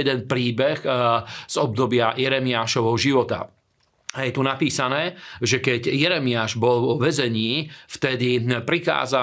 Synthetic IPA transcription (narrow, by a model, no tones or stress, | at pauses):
ɛd̪ɛnpɾiːbɛɣz̥ɔb̚d̪ɔbɪajɛɾɛmɪaːʃɔʋɦɔʒiʋɔt̪a̰ | ajɛt̪unapiːsanɛːʒɛkɛɟjɛɾɛmiaʒbɔlʋɔʋɛzɛɲiːft̪ɛd̪ipɾika̰ːza